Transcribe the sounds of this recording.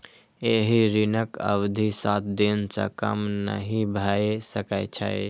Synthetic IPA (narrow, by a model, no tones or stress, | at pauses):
eɦiɾinəkə̰wd̪ʱisat̪̚d̪insa̰kə̰mnə̰ɦĩbʱaesəkaɪt͡ʃʰa̰j